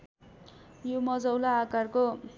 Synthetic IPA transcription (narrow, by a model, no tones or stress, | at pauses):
jomʌd͡zʌwlaːkarko